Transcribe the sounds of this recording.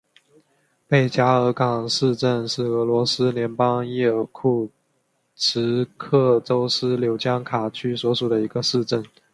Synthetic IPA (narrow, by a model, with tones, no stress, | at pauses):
pe˥˩ɪt͡ɕja˥ɤ˧˥kɑ˨˩ŋʂɻ̩˥˧ʈ͡ʂə˥˧nʂɻ̩˥˩ɤ˧˥lwɔ˧˥sɹ̩˥ljɛ˧˥npɑ˥ŋjɛ˥˩kʰu˥˩ | ʈ͡ʂʰɻ̩˧˥kʰɤ˥˩ʈ͡ʂo˥ʊsɹ̩˥ljo˧˥ʊt͡ɕjɑ˥ŋkʰa˨˩t͡ɕʰy˥swɔ˧˥ʂu˨˩d̪ə˦i˧˥ɡə˧ʂɻ̩˥˧ʈ͡ʂə˥˩n